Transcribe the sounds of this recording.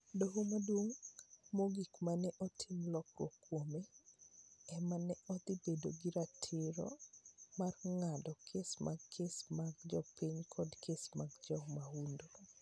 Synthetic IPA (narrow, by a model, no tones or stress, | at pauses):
doɦomadwoŋmoɡikmanɛʔɔtʰɪmlɔkrwo̰kːwome | ɛmanɛɔt̪ibedoɡiɾatʰɪɾɔ̰marŋadɔkʰesmʔaɡkʰːesmaɡd͡ʒɔpiɲkʰɔdkʰesmaɡd͡ʒɔŋmaundo